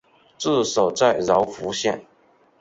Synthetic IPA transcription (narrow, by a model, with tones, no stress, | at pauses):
t͡sɹ̩˥˩ʂo˨˩ʊt͡sa˥˩ɪɻɑ˧˥ʊfu˧˥ɕjɛ˥˩n